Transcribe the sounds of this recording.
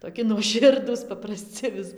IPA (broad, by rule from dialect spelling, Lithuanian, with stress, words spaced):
toːˈkʲɪ nuɔˈʃʲɪrduːs pɐprɐˈsʲt͡sʲɪ ʋʲɪs